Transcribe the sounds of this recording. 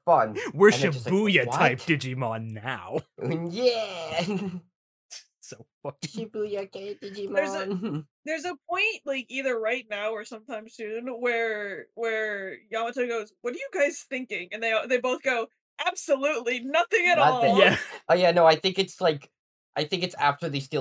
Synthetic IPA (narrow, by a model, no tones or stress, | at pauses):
fʌ̃nwɪɹɨ̃nʃɨʌbujɨtʰaɪp̚d̥ɨd͡ʒimɑ̃nːaʊjæ | soʊfʌkʃɨbujɨkʰeɪd̥ɪd͡ʒimə˞zzɨ̥ | ðə˞zəp̚ʰɔ̃ɪ̃ntlaɪkiðə˞ɹaɪtⁿnaʊə˞sʌ̃mtʰãɪ̃mz̥sʉ̃nwə˞wə˞jɑmətʰɨʊɡoʊzwʌɾə˞jɨɡaɪz̥θɪ̃ŋkɪ̃ŋɨ̃nðeɪðeɪboʊθɡ̥oʊ | ʔæb̥səlʉtˡlinʌθɪ̃ŋɨɾɔlˠjæʔoʊjænoʊaɪθɪ̃ŋkɨtslaɪk | ʔaɪθɪ̃ŋkɨtsæftə˞ðistɪ